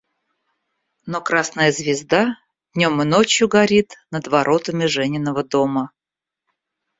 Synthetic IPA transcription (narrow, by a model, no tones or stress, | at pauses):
nokɾasnəjəzvʲɪzd̪a | d̪̥ʲnʲo̞mɨnot͡ɕjʊɡɐɾʲit̪nəd̪vɐɾʔo̞t̪əmʲɪʐɛnʲɪnːəvəd̪o̞mə